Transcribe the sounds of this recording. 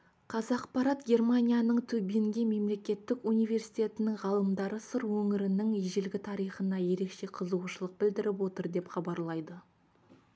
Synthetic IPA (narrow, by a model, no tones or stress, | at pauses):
qʰɑzɑqpɑɾɑt̪ɡʲe̞rmanʲijanəɴt̪ʰɵbeŋɡʲeme̞mle̞kʲe̞t̪ːɪkunijve̞ɾsi̥jt̪ʲe̞t̪ɪnɪŋʁɑlˠəmd̪ɑɾəsəɾwɵŋɪɾɪnɪŋeʒɪlɡʲɪt̪ʰɑɾijχənɑje̞ɾe̞kʃe̞qʰəzəwʃəlˠəq̚bɪld̪ɪɾɪpwo̞t̪əɾd̪e̞pχɑbɑɾlˠɑjd̪ə